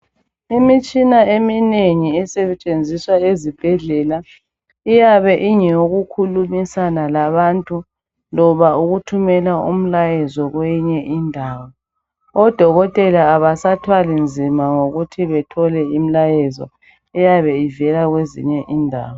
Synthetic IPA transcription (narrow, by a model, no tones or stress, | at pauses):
imit͡ʃʼinaemineŋiɛsɛt͡ʃʼend͡zʱiswaezib̥ʱɛɮɛla | ijaβɛʔiɲɛɣukʰulumisanalaβantʼu | lɔβauɣutʰumɛlaṵm̩lajɛzɔɣweɲɛʔindʱaːwɔ | ɔd̥ʱɔɣɔtʼɛlaːβasatʰwalind͡zʱimaŋoɣutʰiβɛtʰɔlɛim̩lajɛzɔ̰ | ɛjaβɛivɛlaɣwezḭɲɛʔindʱa̰ːwɔ